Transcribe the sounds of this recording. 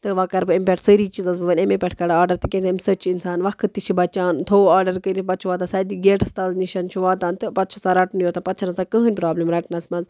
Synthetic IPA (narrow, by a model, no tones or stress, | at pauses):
t̪ɨʋaːkɐɾbɨempʲɛʈʰsəɾiːt͡ʃizɐzbɨʋɐnʲemepʲɛʈʰkɐɖaaːɾɖɐɾt̪ɨkẽnt̪ʰɐmsɐt͡ʃʰinsaːnʋɐkʰɨt̪ːit͡ʃʰibɐt͡ʃaːnt̪ʰoːaːɾɖɐɾkəɾibɐt̪t͡ʃʰuʋaːt̪asaːd̪iɡeːʈɐst̪ɐlniʃɐnt͡ʃʰuʋaːt̪aːnt̪ɨpɐt̪̚t͡ʃʰusaɾɐʈnjoːt̪ɐpɐt̪t͡ʃʰɐnɐsakəɦɨnʲpɾaːblimɾɐʈnɐsmɐnz